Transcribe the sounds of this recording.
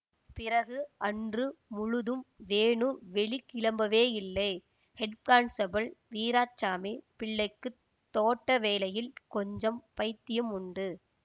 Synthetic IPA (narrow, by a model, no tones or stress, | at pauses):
pɪɾɐɣɯɐndrɯmʊɻʊðɯmʋeːɳɯʋɛɭikːɪɭɐmbɐʋeːɪlːɐɪ | hɛɖkkaːnsɐbɐlʋiːɾaːt͡ʃːaːmipɪɭːɐɪkːɯ | t̪ːoːʈːɐʋeːlɐjɪlkɔɲd͡ʒɐmpɐɪt̪ːɪjɯmʊɳɖɯ